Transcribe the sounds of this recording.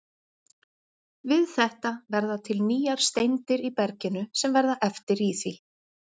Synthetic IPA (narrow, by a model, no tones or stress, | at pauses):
vɪðθɛht̪avɛɾðat̪ʰɪlniːjaɾ̥st̪ejnt̪ɪɾipɛɾcɪnʏsɛmvɛɾðaʔɛft̪ɪɾiθi